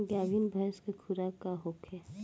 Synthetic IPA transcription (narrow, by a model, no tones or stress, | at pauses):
ɡaːʋinbʱajskekʰuɾakaɦokʰɛ